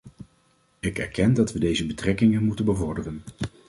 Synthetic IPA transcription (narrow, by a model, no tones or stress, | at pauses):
ɪkɛ̰ɹkɛndɑtʋədejzəbətrɛkɪŋənmutənbəvɔɹdərən